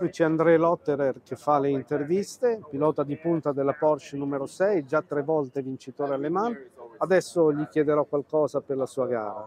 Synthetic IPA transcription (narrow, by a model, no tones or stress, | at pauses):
ɾit͡ʃiand̪ɾɛlɔt̪ːeɾerkefːaleint̪ervist̪epilɔːt̪ad̪ipunt̪ad̪elːapɔrʃnumeɾosɛjd͡ʒat̪ːɾevɔlt̪evint͡ʃit̪oːɾealːemanad̪ɛsːoʎikjɛd̪eɾɔkːwalkɔːzaperlasuːaɡa̰ːɾa̰